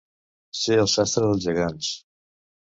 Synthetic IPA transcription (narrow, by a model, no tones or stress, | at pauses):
seəlˠsast̪ɾəðəlˠʒəɣans